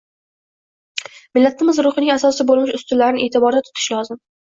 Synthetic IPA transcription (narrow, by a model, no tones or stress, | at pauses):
mɪlːat̪ʰɪmɪzɾʊχɨnɪŋasɒsɪbolˠmɪʃʊst̪ʊlːaɾɪnɪʔet̪ʰɪbɒɾd̪at̪ʰʊ̥t̪ʰɪ̥ʃlɒzɪm